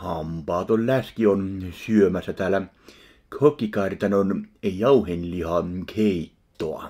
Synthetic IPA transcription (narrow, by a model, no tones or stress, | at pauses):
hɑmpɑːt̪ollæskionsyømæsːæt̪æːlæ | kʰøkːˑikɑrʲt̪ɑnonjɑuhenlʲihɑkʰeit̪ːoɑ̰